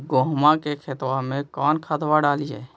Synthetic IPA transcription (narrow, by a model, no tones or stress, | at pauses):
ɡoːɦmãkekʰet̪wamẽkaːnkʰad̪waɖaːliɛː